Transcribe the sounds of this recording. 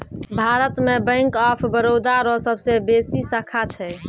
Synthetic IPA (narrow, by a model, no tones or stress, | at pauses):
bʱaɾət̪mebə̃ɪŋkɔpʰbəɾod̪aɾɔsəbsebesisəkʰat͡ʃʰɛ